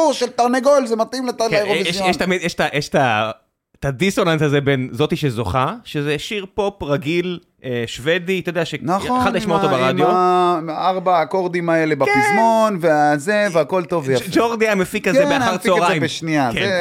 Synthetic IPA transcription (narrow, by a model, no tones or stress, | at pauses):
uʃelt̪aʁneɡolzemat̪imletalaoijɛɛʃt̪amid̪jɛʃtajʔeʃt̪a | t̪ad̪isonansazebenzo̞t̪iʃezo̞χaʃezeʃiʁpo̞pʁaɡil | ʔeʃvedit̪od̪eaʃenaχallaʃmaotobaʁadjo | aʁbaːkoʁd̪imaelebakizmonveazeveako̞lt̪ovad͡ʒoʁd̪iamefikazebeaaʁt͡soʁajmbeʃniake